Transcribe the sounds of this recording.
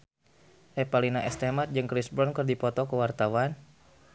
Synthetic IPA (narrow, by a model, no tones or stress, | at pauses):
ʔɛpalinaʔɛst̪emat̪̚d͡ʒɨŋkɾisbɾɔnkərdipɔt̪ɔkəwart̪awan